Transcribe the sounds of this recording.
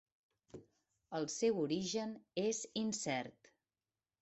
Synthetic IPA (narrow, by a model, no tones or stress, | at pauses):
əlˠsɛwuɾiʒənezinsɛɾt̪